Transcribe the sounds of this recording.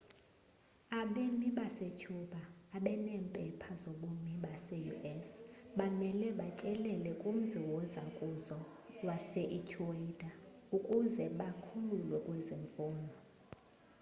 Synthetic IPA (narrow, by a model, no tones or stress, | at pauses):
aɓemiɓaset͡ʃʰuɓaːɓɛnɛːmpʼɛpʰazoɓomiɓasɛjṵʔɛsɓamɛlɛɓat͡ʃʼɛlɛlɛkʼum̩ziwɔzakʼuzɔ | wasɛʔitʰuwedaukʼuzɛɓakʰululwɛkʼweziɱfuːnɔ